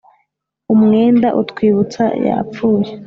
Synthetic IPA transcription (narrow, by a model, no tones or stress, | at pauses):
umŋeːndaʔutkwiːβut͡sa̰ja̰ːpp͡fuːje